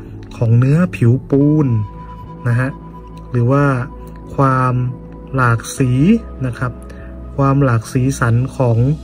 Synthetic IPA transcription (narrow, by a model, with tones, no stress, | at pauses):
kʰɔː˩˦ŋnɯ˦˥ɐpʰi˩˦wpuː˧nː | a˧ɦa˧˥ʔ | lɯː˩˦waː˥˩ | kʰwaː˧m | laː˨˩k̚siː˩˦ | na˧˥kʰa˦˥p̚ | kʰwaː˧mlaː˨˩k̚siː˩˦sa˩˦nkʰɔː˩˦ŋ